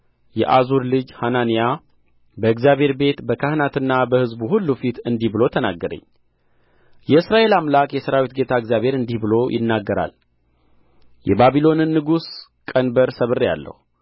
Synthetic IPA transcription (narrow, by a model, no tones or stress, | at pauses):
jɛ̰ʔazuɾlɨd͡ʒhananija | bəɨkzjaβhe̞ɾbe̞t̪bəkʰəhɨnat̪ɨnːabəhɨzbuhulːufit̪ɨnd̪ihbɨlo̞t̪ʰənaɡːəɾə̰ɲː | jɛɨsɾaʔe̞lamlakʼjɛsəɾawit̪ɡe̞t̪ʰaɨɡzjaβe̞ɾɨnd̪ihbɨlo̞jʔɪ̰nːaɡːəɾa̰l | jɛbaβilo̞nɨnːɨɡus | kʼənbəɾsəβɨrːija̰lːə̰hu